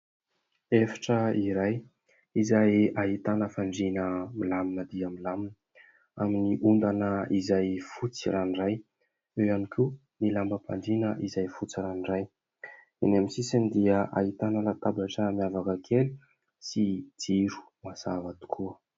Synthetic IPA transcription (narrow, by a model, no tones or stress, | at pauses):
efḁʈ͡ʂəiɾaj | izajaɦit̪anəfaɳɖ͡ʐinəmilaminəd̪iamilaminə | aminiʔund̪anəizajfut͡siɾaniraj | ewjanikʰu | nilambəpʰa̰ɳɖ͡ʐinəʔizajfut͡siɾaniraj | enaminsisanid̪iəʔa̰ɦit̪anəlat̪abaʈ͡ʂəmiavakəkʰeli | sid͡ziɾu̥ | masavat̪u̥kʰuə